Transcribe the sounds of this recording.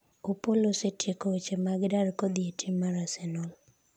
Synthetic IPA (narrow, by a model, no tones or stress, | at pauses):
opolosetjekot͡ʃemaɡɪdaɾkod̪ɪetʰimaɾasenɔl